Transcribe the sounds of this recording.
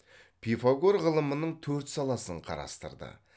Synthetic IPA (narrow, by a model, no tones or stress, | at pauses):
pʰifaɡoɾʁəlˠəmənəɴt̪ʰɵɾt̪sɑlˠɑsəɴqʰɑ̰ɾɑ̰st̪ə̰ɾd̪ə̰